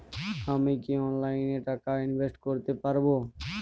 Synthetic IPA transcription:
amikiɔnlajneʈakainbʱesʈkoɾt̪epaɾbo

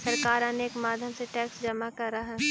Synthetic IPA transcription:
sɐɾkaːɾãneeːkmaːd̪ʱjəmseʈɛːksd͡ʒɐmakɐɾːɐɦɛː

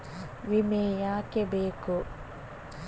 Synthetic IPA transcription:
ʋimeːjaːkebeːku

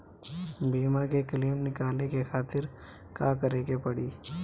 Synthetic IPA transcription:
biːmakekəliːmnɪkaːlekexaːt̪ɪɾ | kaːkɐɾeːkepɐɽiː

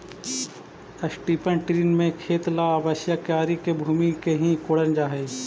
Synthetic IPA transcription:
əsʈiːpənʈɾiːnmẽkʰeːt̪laːbəʃjəkaːɾikebʱuːmikeɦĩkoːɽənd͡ʒaːɦeː

